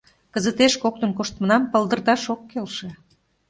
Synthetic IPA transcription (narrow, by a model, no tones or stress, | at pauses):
kəzət̪eʃkok̚t̪ə̆nkoʃt̪mənɑmpəlˠd̪ə̆rd̪ɑʃokːelʃe